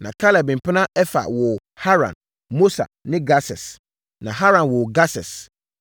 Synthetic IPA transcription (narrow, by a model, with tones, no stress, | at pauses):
nã̰˨kʰa˦lɛ˨bĩ˨pʰɪ˦nã˦ɛ˦fa̰˨wɔ˨ | ha˦ɾã̰˨n | mo˦sa̰˨nɪ̃˦ɡa˦sɛ˨s | nã˨ɦa˦ɾã˨nwɔ˨ɡa˦sɛ˨s